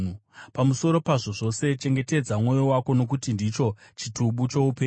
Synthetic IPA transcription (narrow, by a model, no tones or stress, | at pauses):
pamuso̞ɾo̞paʐo̞ʐo̞se̞t͡ʃe̞ŋɡe̞te̞d͡zamwo̞jowako̞no̞k̬utindit͡ʃo̞t͡ʃituɓut͡ʃo̞upeː